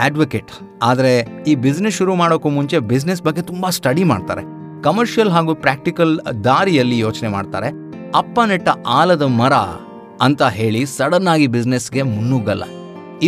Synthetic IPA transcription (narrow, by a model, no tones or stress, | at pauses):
aːɖʋɐkeːʈ | aːd̪ɐɾeiːbid͡ʒnesuɾumaːɽokːumuɲt͡ʃe̞bid͡ʒnes̬bɐɡːet̪umbɐsʈɐɽima̰ːɖt̪a̰ːɾe̞ | kɐmɐɾʂijɐlɦaːɡuːpɾaːk̚ʈikɐld̪aːɾijɐlːijo̞ːt͡ʃnema̰ːɖt̪a̰ːɾe | ɐpːɐnɛʈːɐaːlɐd̪ɐmɐɾɐ̰ | ɐnt̪ɐɦe̞ːɭisɐɽɐnːaːɡibid͡ʒnesɡe̞munːuɡɐlːɐ̰ | i